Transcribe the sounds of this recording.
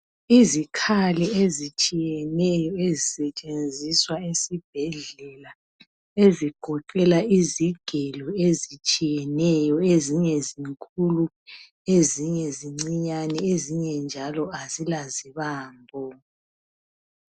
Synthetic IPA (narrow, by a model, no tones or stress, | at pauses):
izikʰalɛezit͡ʃʼijɛnɛjɔezisɛt͡ʃʼend͡zʱiswaesib̥ʱɛɮɛla | eziɡ̥ʱɔǃɛlaiziɡ̥ʱɛlɔezit͡ʃʼijɛnɛjɔeziɲɛziŋkʰʼulu | eziɲɛziŋ͡ǀiɲanɛeziɲɛnd͡ʒʱalɔazilaziβaːmbʱɔ